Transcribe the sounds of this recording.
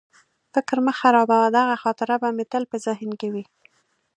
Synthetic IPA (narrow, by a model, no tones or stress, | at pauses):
fɪkɾməxaɾɑbawad̪aɣaxɑt̪ɪɾabamɪt̪əlpəzaɦɪnkewi